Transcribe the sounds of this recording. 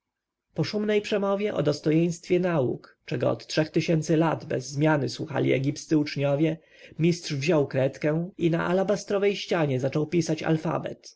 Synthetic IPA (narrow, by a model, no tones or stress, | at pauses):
pɔʂumnɛjpʂɛmɔvʲjɛʔɔ̰d̪ɔst̪ɔjɛj̃st̪fʲjɛnaṵkt͡ʂɛɡɔ̰ɔ̰t̪tʂɛxt̪ɘɕɛnt̪sɘlad̪bɛ̰zːmʲjanɘswuxa̰lʲḭɛ̰ɡʲipssɘut͡ʂɲɔvʲjɛ | mʲistʂvʑɔwkɾɛt̪kɛ̃ina̰ʔa̰labast̪ɾɔvɛjɕt͡ɕaɲɛzat͡ʂɔwpʲisat͡ɕa̰lfa̰bɛ̰t̪